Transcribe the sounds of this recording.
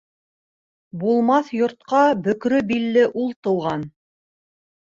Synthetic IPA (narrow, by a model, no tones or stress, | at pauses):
bulˠmɑθjŏɾt̪̚qɑbɵ̆kɾɵbilːɘʔulˠt̪ŏw̪ˠʁɑn